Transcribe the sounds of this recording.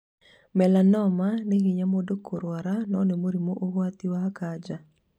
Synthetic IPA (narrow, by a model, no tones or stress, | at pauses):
mɛlanɔmaneɡɪɲamodokʰoɾwaɾanɔnemoɾimoʔoɣwat̪iwaakad͡ʒa